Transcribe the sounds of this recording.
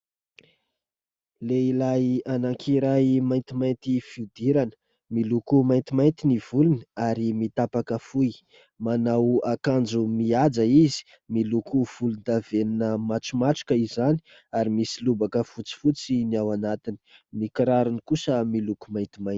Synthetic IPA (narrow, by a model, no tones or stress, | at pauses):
leilajanaŋkʰiɾajmajnt̪imajnt̪ifiud̪iɾanə | milukumajnt̪imajnt̪iniv̥ulunaɾimit̪apakəfuj | manawakand͡zumiad͡zaizi̥ | milukuv̥ulund̪aveninəmaʈ͡ʂumaʈ͡ʂu̥kəizani̥ | aɾimisilubakəfut͡si̥fut͡siniawanat̪ini̥mikiɾaɾunikusəmilukumajnt̪imḁ